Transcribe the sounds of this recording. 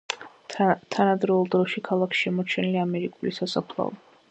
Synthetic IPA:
t̪ʰanad̪ɾɛulˠd̪ɾɔʃikʰalˠakʰʃʃɛmɔt͡ʃʰɛniliamɛɾikʼulisasapʰlˠa̰ɔ̰

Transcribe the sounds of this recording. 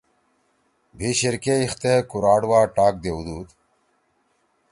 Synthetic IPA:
bʱiɕiɾkeixt̪ekuɾaːɖwaːʈaːk̚d̪eud̪uːd̪

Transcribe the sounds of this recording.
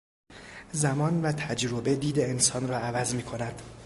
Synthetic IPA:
zæmɒːnvæt̪ʰæd͡ʒɾobe̞d̪iːd̪eensɒːnrɒːævæzmiːkʰo̞næd̪̥

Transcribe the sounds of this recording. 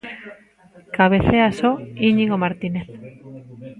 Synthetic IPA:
kaβeθeasoiɲiɣomaɾt̪ineθ

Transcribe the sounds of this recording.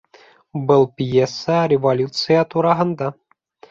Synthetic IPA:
bɤlˠpʲjesːəɾʲɪvolʲut̪sɨjat̪uɾɑɦɤ̆nd̪ɑ

